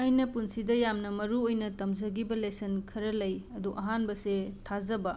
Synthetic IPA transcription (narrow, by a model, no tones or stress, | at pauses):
ɐjnɐpunsidɐjamnɐmɐɾuojnɐtɐmzɐɡibɐlesɐnkʰɐɾɐlɐjɐduʔɐɦanbɐsetʰazɐbɐ